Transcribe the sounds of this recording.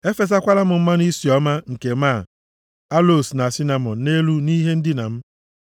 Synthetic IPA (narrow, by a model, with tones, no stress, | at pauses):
e˦fe˨za˦kʷa˦la˦mʊ˨m̩˦ma˦ni˦si˨ɔ˦ma˦ŋ̩˨ke˨ma˦˨ | a˦lo˨sna˨si˦na˨mɔ˨n˨ne˦lu˦ni˦ɦe˦n̩˦dɪ˦na̰˨m̩˦